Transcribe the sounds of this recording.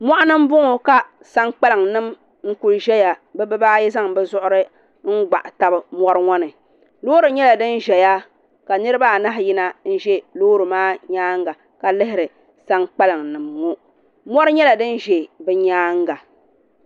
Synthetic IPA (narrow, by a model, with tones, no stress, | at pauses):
mɔ˦ʔa˦nɨ˦m˦bʊ˦ŋo˨ka˦ | sa˦ŋk͡pa˦lɨ˨ŋnɨ˦m | ŋ̩˦ku˨lʒɛ˦ja˨bɛ˦bɨ˦ba˦jɛ˦za˦ŋbɛ˦zʊ˦ʔʊ˦ɾɨ˦ | ŋ̩˦ɡ͡ba̰˨ʔta˦bɨ˨mɔ˦ɾɨ˦ŋɔ˦nɨ˨ | loː˦ɾɨ˨ɲɛ˦la˨dɨ˦n˦ʒɛ˨ja˦ | ka˨nɨ˦ɾɨ˦ba˦˨na˦ɦji˦na˦n̩˦ʒɛ˦loː˦ɾɨ˨maː˦ɲaː˦ŋ˦ɡa˨ | ka˨lɪ˦hɪ˦ɾɨ˨ | sa˦ŋk͡pɛ˦lɨ˨ŋnɨ˨mːu˦ | mɔ˦ɾɨ˦ɲɛ˦la˨dɨ˦n˦ʒɛ˨bɛ˦ɲaː˦ŋ˦ɡa˨